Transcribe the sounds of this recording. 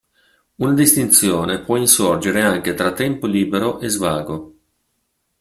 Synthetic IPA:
unad̪ist̪int̪sjoːnepwɔinsord͡ʒeɾeaŋk̟et̪ɾat̪ːɛmpoliːbeɾoʔezvaːɡo

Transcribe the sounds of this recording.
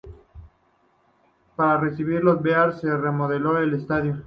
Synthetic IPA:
paɾare̞siβiɾlozbeaɾse̞re̞mo̞ðe̞lo̞ele̞st̪aðjo

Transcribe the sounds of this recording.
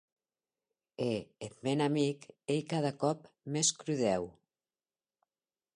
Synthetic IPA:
eet̪̚menamikejkaðakɔpmeskɾuðɛw

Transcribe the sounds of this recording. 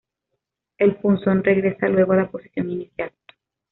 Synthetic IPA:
e̞lfunsonre̞ɣɾe̞salwe̞ɣoalapo̞si̥sjo̞ŋinisjal

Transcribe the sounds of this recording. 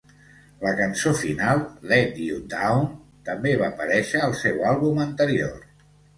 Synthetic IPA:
ləkənsofinalˠlɛd̪iud̪awnt̪əmbeβaːpəɾɛʃəːlˠsɛwalˠβumənt̪əɾio̰r

